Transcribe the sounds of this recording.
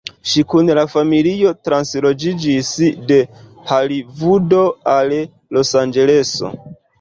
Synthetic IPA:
ʃikunlafamilio̞tɾanslo̞d͡ʒid͡ʒisde̞ | halivudo̞al | lo̞sand͡ʒe̞le̞so̞̰

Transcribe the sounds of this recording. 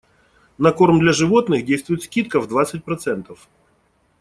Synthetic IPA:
nɐko̞rmd̪lʲɐʐɨvot̪nɨxdʲejst̪vʊjɪt̪skʲit̪̚kəvd̪vat̪sɨt̚ʲpɾɐt̪sɛnt̪əf

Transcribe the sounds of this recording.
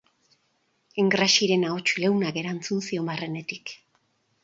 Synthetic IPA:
eŋɡɾaʃiɾe̞nao̞t͡ʃulewnake̞ɾant͡sunsio̞mbare̞ne̞t̪ik

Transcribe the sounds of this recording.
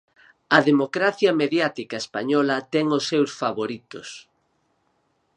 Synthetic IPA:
ɐðemokɾaθjɐmeðjat̪ikɐespa̰ɲɔlɐt̪ɛŋosːewsfaβoɾit̪ʊ̰s

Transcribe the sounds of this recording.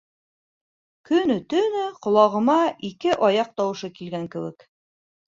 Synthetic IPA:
kɵ̆nɵt̪ɵ̆nɘqŏlˠɑʁɤ̆mɑʔikɘʔɒjɑq̚t̪ɑwɤ̆ʃɤkilɡæŋkɘ̆wɘ̰k

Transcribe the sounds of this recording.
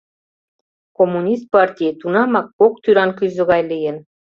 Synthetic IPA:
komːunʲist̪̚pɑrtʲijt̪unɑmɑkːok̚t̪yɾɑnkyzə̆ɣɑjlijən

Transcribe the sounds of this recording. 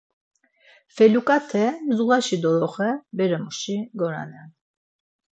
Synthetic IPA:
fɛlukʼat̪ʰɛmzuʁaʃid̪ɔɾɔχɛbɛɾɛmuʃiɡɔɾa̰nɛn

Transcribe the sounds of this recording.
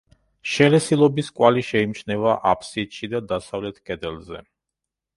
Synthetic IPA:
ʃɛlɛsilˠɔbiskʼwaliʃɛimt͡ʃnɛvaʔapʰsit̪ʃid̪ad̪asavlɛt̪ʰkʼɛd̪ɛlzɛ̰

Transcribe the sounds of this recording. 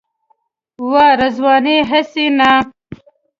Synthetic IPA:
waːɾɐzwɑːneɦɐsina

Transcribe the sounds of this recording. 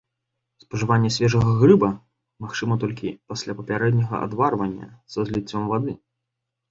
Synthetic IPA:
spɐʐɨvanʲːɐsʲvʲɛʐɐɣɐɣrɨbɐ | maxt͡ʂɨmɐt̪ɔlʲkʲipasʲlʲapɐpʲaɾɛd̪ʲnʲɐɣɐ̰ʔa̰d̪varvɐnʲːɐ̰sɐzʲlʲit͡sʲːɔmvad̪ɨ

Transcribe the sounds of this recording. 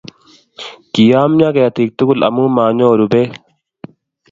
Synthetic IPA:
kijaːmɲãːkejɐt̪ʰiːk̚t̪ukulɐ̰mũːmaːɲoːɾubeː

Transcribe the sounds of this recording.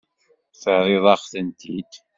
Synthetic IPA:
fəɾɪðˤɑʁθənt̪id̪

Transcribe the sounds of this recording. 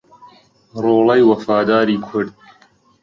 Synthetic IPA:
roːlɐjwɐfaːd̪aːɾiːkʰʊɽd̪̚

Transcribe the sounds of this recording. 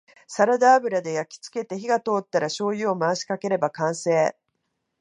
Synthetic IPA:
saɾad̪aːbɯ̟ɾad̪e̞jakʲi̥t͡sɨ̥ke̞t̪e̞çiɡat̪o̞ːt̪ːaɾaɕo̞ːjɯ̟omaːɕi̥kake̞ɾe̞bakãɰ̃se̞ː

